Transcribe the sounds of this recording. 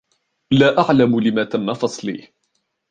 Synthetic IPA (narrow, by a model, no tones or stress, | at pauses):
laːʔaʕlamʊlɪmaːt̪amːafɑsˤlḭː